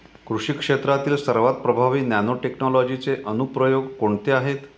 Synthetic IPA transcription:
kɾuʂikʂet̪ɾat̪iːlsəɾʋat̪̚pɾəbʱaʋiːnanoʈeknɔlɔd͡ʑit͡seʔənupɾəjoɡkoɳt̪eaɦet̪

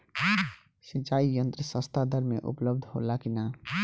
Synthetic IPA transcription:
sət͡ʃaːijənt̪ɾəsə̃st̪ʰad̪əɾmẽʔṵpləbd̪ʱɦo̰lakina

